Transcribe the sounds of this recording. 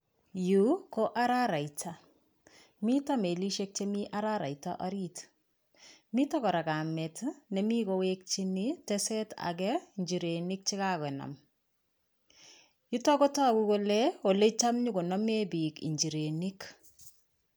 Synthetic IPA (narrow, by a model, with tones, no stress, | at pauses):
juko˦ʔa˦ɾaɾa˨jtʰa˦ | mi˦tame˨li˦ʃe˦k̚t͡ʃe˦miʔaɾaɾa̰˨jta̰ʔɔɾi˦t | mi˦tɔ˦kɔ˨ɾa˨ka˨me˨tne˨mi˦kowek̚t͡ʃinitɛsɛ˦ta̰˨kɛiɲd͡ʒi˨ɾe˨ni˦k̚t͡ʃi˦ka˦kɛ˨na̰˨m | ju˦tɔ˦ko˦ta˦˨ku˦ko˦leo˨le˦t͡ʃa˦mɲu˦ko˨nɔ˦me˦bi˨kḭ˨ɲd͡ʒi˨ɾe˨nik